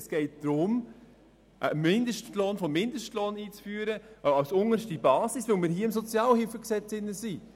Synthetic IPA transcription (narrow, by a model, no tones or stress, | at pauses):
sɡ̥ɛɪt̚d̪̥ɾʊm | ʔmːɪndəʃtloːnfɔmmːɪndəʃtloːniːt͡sfyːəɾəʔɑwsʊŋəɾʃtibɑːsisʋəʊmɪːɾhiːɪmsɔt͡sjɑːlhɪlfəksɛt͡sɪnːəsi